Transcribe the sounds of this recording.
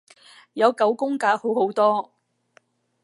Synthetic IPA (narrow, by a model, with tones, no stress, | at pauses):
jɐ˨˧wkɐ˨˥wkʊ˥ŋkaː˨˥ho˨˥who˨˥wt̪ɔː˥